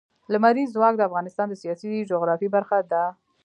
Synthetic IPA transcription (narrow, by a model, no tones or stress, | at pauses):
lamaɾiːwɑk̚d̪əafɣɑnɪst̪ɑnd̪əsijɑsid͡ʒoɣɾɑfibaɾxad̪a